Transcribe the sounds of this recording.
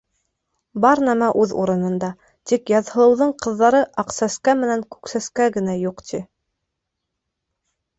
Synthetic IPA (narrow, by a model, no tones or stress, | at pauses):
bɑɾnæmæʔʉðṵɾɤ̆nɤ̆nd̪ɑ | t̪ikjɑðhɤ̆lˠɤ̆wðɤɴqɤ̆ðːɑɾɤʔɑqsæskæmɘ̆næŋkʉ̥ksæskæɡɘ̆næjuqt̪ʰi